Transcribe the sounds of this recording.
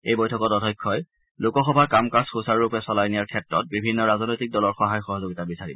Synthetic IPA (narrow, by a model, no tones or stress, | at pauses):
ejbɔjtʰɔkɔtɔdʱɔjkʰːɔj | lʊkɔxɔbʱakamkasxusaɹɹupɛsɔlajnijaɹkʰɛtɹɔ̰t̚bibʱinːɔɹazɔnojtik̚dɔlɔɹxɔɦajxɔɦɔzoɡitabisaɹibɔ